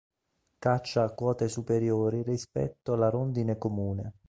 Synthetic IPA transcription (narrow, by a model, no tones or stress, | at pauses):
kat͡ʃːaːkːwɔːt̪esupeɾjoːɾirispɛ̰t̪ːoalaɾond̪inekomuːne